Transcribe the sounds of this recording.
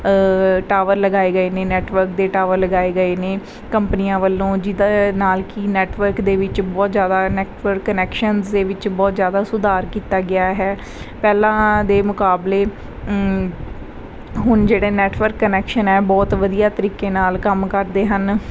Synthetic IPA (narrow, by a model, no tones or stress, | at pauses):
ʈaːʋəɾləɡaːeːɡəeːneːnɛːʈʋəɾk̚d̪eːʈaːʋəɾləɡaːeːɡəeːneː | kəmpnijãːʋəlːõːd͡ʒɪd̪anaːlkinɛːʈʋəɾkd̪eːʋɪt͡ʃbɔːt̪zjaːd̪aːnɛːʈʋəɾkːənɛːkʃənzd̪eːʋɪt͡ʃbɔːt̪zjaːd̪aːsʊd̪aːɾkiːt̪aːɡɪaːɦɛː | pɛːlãːd̪eːmʊkaːbleː | ɦʊnd͡ʒeːɽeːnɛːʈʰʋəɾkːənɛːkʃənɛːbɔːt̪ʋəd̪ijaːt̪əɾiːkeːnaːlkəmkəɾd̪eːɦən